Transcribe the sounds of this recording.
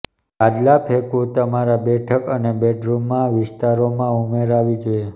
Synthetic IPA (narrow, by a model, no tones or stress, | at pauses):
ad̪lapʰekut̪əmaɾabɛʈʰəkənebɛʈɾumːãʋɪst̪aɾomãumeɾaʋid͡ʒoe